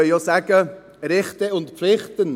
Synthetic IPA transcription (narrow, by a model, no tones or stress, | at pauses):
œjosæɡ̥ə | ɾɪχt̪əʊntpflɪχtən